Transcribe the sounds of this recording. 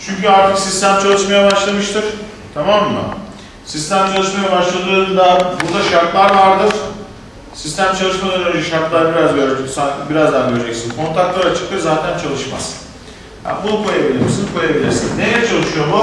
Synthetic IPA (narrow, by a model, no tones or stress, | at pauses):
t͡ʃʰyɲcyaɾt̪ʰɯksist̪æmt͡ʃʰalˠɯʃmajabaʃlˠamɯʃt̪ʰɯɾ̥ | t̪ʰamamːɯ̰ | sist̪ʰæmt͡ʃʰalˠɯʃmajabaʃlˠad̪ulˠanɯnd̪abuɾd̪aʃaɾt̪lˠaɾvaɾd̪ɯɾ̥ | sist̪ʰæmt͡ʃʰalˠɯʃmad̪ˠalˠad͡ʒɛʃaɾt̪lˠaɾbiɾazɡøɾɛt̪ʰyk̪sanbiɾazd̪anɟøɾed͡ʒɛcsinkʰo̞nt̪ʰak̚t̪lˠaɾat͡ʃʰɯ̥k̚t̪ʰːɯɾzaːt̪ʰænt͡ʃʰalˠɯʃma̰z̥ | ha̰bunkʰo̞jabilʲiɾmsinkʰo̞jabilʲiɾsḭnːejt͡ʃʰalˠɯʃujo̞mʊ